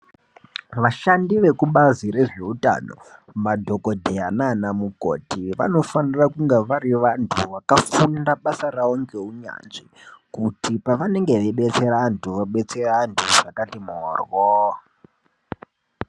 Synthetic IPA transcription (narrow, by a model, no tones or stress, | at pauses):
ʋaʃandiʋe̞kuɓazire̞ʐe̞uta̰no̞̰ | madʱo̞ko̞dʱeananamuko̰tiʋa̰no̞fanirakuŋɡeʋaɾiʋantʰuʋakafundaɓasaraoŋɡe̞uɲa̰nʐikutipaʋane̞ŋɡe̞ʋeɓe̞t͡seɾantʰuʋaɓe̞t͡serantʰuʐakatimoːrwo